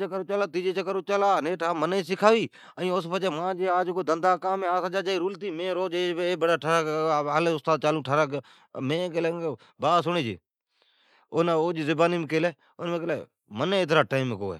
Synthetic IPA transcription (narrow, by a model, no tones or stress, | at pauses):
t͡ʃəkəɾoːt͡ʃalaːt̪iːd͡ʒeːt͡ʃəkəɾoːt͡ʃalaːneːʈʰaːməneĩːsɪkʰaːʋiː | əĩːos̬pət͡ʃeːmãːd͡ʒeːaːd͡ʒkoːd̪ənd̪aːkaːmẽːaːsaːd͡ʒaːd͡ʒaːiːɾuːlt̪iːmẽːɾoːd͡ʒeːeːbəɽaːʈʰəɾaːɦəleʊst̪aːd̪̚t͡ʃaːlũːʈʰəɾaːk | mẽːkele | baːsʊɳẽːd͡ʒḛː | ʊnːoːd͡ʒiːzɪbaːniːmkeːleː | ʊnmẽːkːleː | mənẽːɪt̪ɾaːʈaːɪmko̰ːḛː